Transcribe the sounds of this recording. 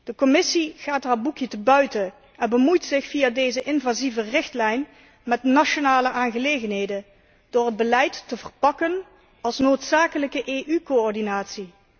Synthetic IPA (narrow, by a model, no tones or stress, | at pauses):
d̥əkɔmɪsiɣaːtɦaːbukjətəbœɥtə | ɛnbəmujtsɪxfijaːdejzəʔɪnvaːzivərɪxtlɛjn | mɛtnaʃonaːləʔaːnɣəlejɣənɦejdə | d̥oːrɦəd̚bəlɛjtːəvərpɑkən | ɑlˠsnoːtsaːkələkəʔeːʔykoɔɹdinaːtsi